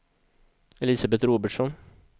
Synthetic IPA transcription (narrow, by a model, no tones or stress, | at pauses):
ɛliːsabɛt̪ɾoːbəʈʂɔn